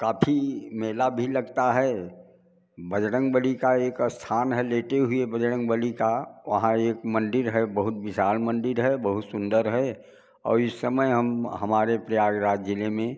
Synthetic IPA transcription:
kaːpʰimɛːlabʱiləɡt̪aɦɛ | bəd͡ʒɽə̃ŋɡbəlikaeːkst̪ʰaːnɦɛleːʈeɦʊebəd͡ʒɽə̃ŋɡbəlikaʋɐ̰ɦãeːkmə̃nɖɪɾɦɛbəɦʊt̪̚bɪʃaːɾmə̃nɖɪɾɦɛbəɦʊt̪sʊ̃nd̪əɾɦɛ | ɔ̰ːɾɪsːəməjɦɐmɦɐmaːɾepɾəjaːɡɾaːd͡ʒɪlemẽ

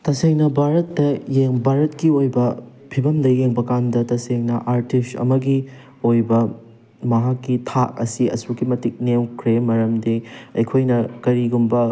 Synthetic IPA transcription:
tɐseŋnɐbʱaɾɐtːɐjeŋbʱaɾɐtkiojbɐ | pʰibɐmlɐjeŋbɐkandɐtɐseŋnɐʔaɾtistɐ̰mɐɡi | ojbɐ | mɐɦakːitʰak̚ɐ̰siɐ̰sukimɐtik̚newkʰɾemɐɾɐmdeɐjkʰojnɐkɐɾiɡumbɐ

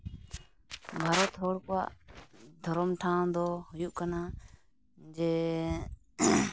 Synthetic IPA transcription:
bʱaːɾoːt̪ʰoːɽka̰ːʔd̪ʱəɾomʈʰãːd̪oːɦʊjuʔkənãː | d͡ʒeː

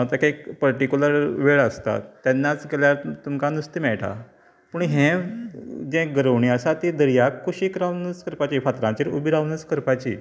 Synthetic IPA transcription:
t̪jakeekpəɾʈikʲuləɾʋeɭəst̪a̰t̪ːjanːat͡sɡeljaɾt̪umkanust̪imɛɭʈʰa̰ | puɳɦẽ | d͡ʑɛ̃ɡəɾəʋɳiasat̪id̪əɾijakʰːuɕikɾawnəskəɾpat͡ɕifat̪ɾãt͡ɕiːɾubiɾaʋnəskəɾpat͡ɕḭː

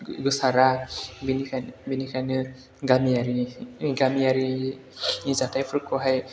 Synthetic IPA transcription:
ɡɯsaɾabinikʰanbinikʰanɯ | ɡamijaɾiɡamiaɾi | izatajpʰuɾkɔɦaj

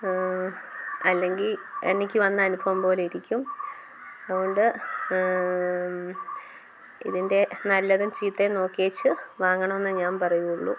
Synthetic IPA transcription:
ɐlːe̞ŋɡile̞̰nikʲːɨʋɐnːɨɐnubʱɐʋumpo̞ːliɾikʲːum | ɐðuɣoɳɖɨ | ḭðinde̞nɐlːɐðumt͡ɕiːt̪ːeno̞ːkːieːt͡ɕːɨʋaːŋːɐɳɐmenːɨɲaːnpɐrɐjuuɭːṵ

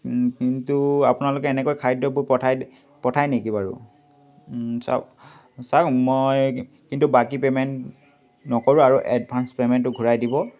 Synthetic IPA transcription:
kintuapʊnalʊkɛːnɛkojkʰajdɔbojpɔtʰaj | pɔtʰajnekibaɹʊ̰ | sa̰ | samoj | kintubakipemɛnt | nɔkɔɹuaɹuʔɛd̚bʱanspemɛntːʊɡʱuɹajdibɔ

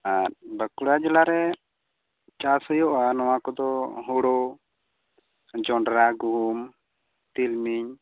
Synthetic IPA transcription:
aɾ̚bəkuɽad͡ʒɛlaɾɛ | t͡ʃashɔjɔʔanɔwakɔd̪ɔɦuɽɔ | d͡ʒɔɳɖɾaɡum | t̪ilmiɲ

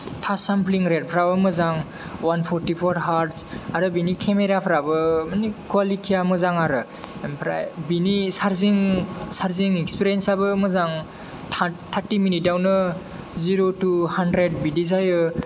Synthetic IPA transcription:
tʰasampʰliŋɾed̚pʰɾawamɯzaŋ | wanpʰɔɾtipʰɔɾɦaɾtsaɾɯbinikʰemeɾapʰɾabɯmanikuwalitʰijamɯzaŋaɾɯ | mpʰɾa̰jbinisaɾziŋsaɾziŋɛkspiɾiensabɯmɯzaŋʰ | atʰaɾtiminit̚dawnɯ | ziɾotuhandɾed̚bidizajɯ

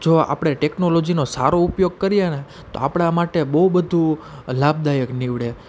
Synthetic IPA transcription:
d͡ʒoa̰pɽ̃eʈeknolod͡ʒinosa̰ɾoupjoɡ̚kəɾijene | t̪o̰a̰pɽ̃amaʈebəɦubəd̪ʱulab̚d̪ajəkniʋɭe

